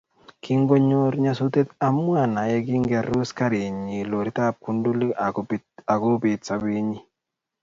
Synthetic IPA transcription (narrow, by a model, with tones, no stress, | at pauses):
kʰi˦ŋɡo˦ɲo˦ɾɲa˦so˦t̪e˦t̪a˦mwa˨na˨jɛ˦ɡi˦ŋɡɛ˨ɾu˦ska˦ɾi˨ɲi˨lo˨ɾi˦t̪a˦p̚ku˦ndu˦li˦ | a˨ɡu˦bi˨t̪̚sa˨bi˦ɲi˦